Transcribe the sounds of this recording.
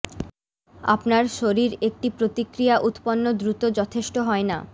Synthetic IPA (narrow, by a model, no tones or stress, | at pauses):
a̰pnaɾʃoɾiɾek̚ʈipɾot̪ikɾijaʔut̪ponːod̪ɾut̪od͡ʑɔt̪ʰeʃʈoɦɔena̰